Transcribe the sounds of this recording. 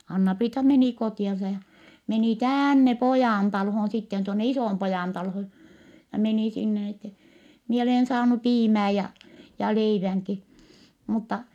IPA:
ɑnːɑpriːtɑ meniˑ kotiˑɑnsɑ jɑ meni tæːnːe pojɑːntɑlhon sitːen tuonːe isoˑmpojɑˑntɑlhon̞ jɑ meniˑ sinːe n etːɛ mie oleˑn sɑːnu piːmæː jɑ jɑ leiʋæŋki mutːɑ

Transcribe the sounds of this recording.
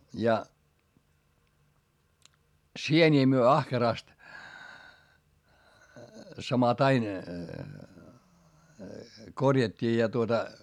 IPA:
jɑ sienʲiː myø ɑhkerɑst sɑmɑtɑin korjɑtʲːiː jɑ tuotɑ

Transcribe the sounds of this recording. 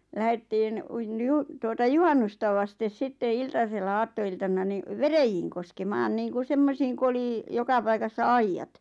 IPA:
læhetːiːn uin niju tuotɑ juhɑnːustɑ ʋɑstes sitːe iltɑselːɑ ɑːtːoiltɑnˑɑ ni ʋerejiːŋ koskemɑːn niːŋku semːosiːŋ ku oli jokɑ pɑikɑsːɑ ɑijːɑt

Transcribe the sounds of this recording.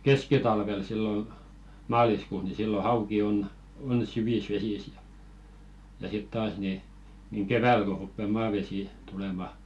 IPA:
keskitɑlʋel silːo mɑːliskuːs ni silːo hɑuki on on syʋis ʋesis jɑ jɑ sit tɑːs ni niŋ keʋæl ko rupːe mɑːʋesiˑ tulemɑ

